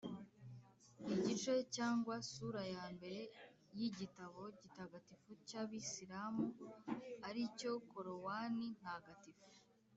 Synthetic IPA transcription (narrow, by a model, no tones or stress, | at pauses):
iɟit͡ʃe̞caːŋɡwasuːɾajaːmbe̞ɾe̞ | jiɟitaβo̞ɟitaɡatifucaβisiɾaːmu | aɾico̞koɾowaːnin̥haɡatifu̥